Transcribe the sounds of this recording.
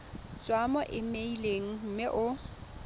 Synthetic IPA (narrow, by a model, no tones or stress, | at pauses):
t͡sʼwamɔʔɪmeileŋ̩m̩mɪʔʊ